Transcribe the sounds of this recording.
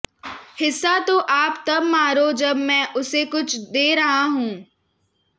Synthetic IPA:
hɪsːat̪oʔaːpt̪ɐbmaːɾod͡ʒɐbmɛ̃ʔʊsekʊt͡ʃʰd̪eːɾɐɦaɦũː

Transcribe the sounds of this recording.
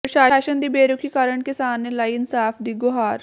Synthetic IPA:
pɾɐʃaːʃənd̪ibeːɾʊkʰikaːɾəɳkesaːmnelaːiɪnsaːfʰd̪iːɡʊɦaːɾ

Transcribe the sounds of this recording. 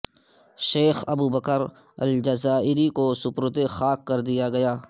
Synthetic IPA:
ʃeːxɐbuːbəkəɾ | ɐ̰ld͡ʒɐzaːɪɾikosʊpɾʊt̪exaːkːɐɾd̪ijaɡɐjaː

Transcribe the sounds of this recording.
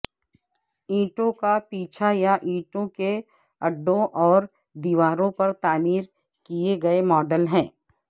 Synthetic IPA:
ĩːʈõkapiːt͡ʃʰajaʔĩːʈõke | ɐɖːõʔɔːɾ | d̪iːʋaːɾõpɐɾt̪aːmiːɾ | kieɡɐemɔːɖəlɦɛ̃ː

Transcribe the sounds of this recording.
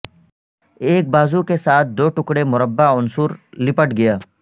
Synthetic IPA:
eːk̚baːzukesaːt̪̚ʰd̪oːʈʊkɽemʊɾəbːaʊnsuːɾlɪpəʈɡɐjaː

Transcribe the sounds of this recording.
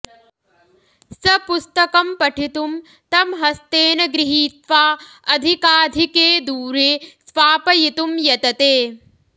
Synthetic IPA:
sɐpust̪ɐkɐmpɐʈʰit̪um | t̪ɐmɦɐst̪eːnɐɡɾiɦiːt̪ʋaː | ɐd̪ʱikaːd̪ʱikeːd̪uːɾeːsʋaːpɐjit̪umjɐt̪ɐt̪eː

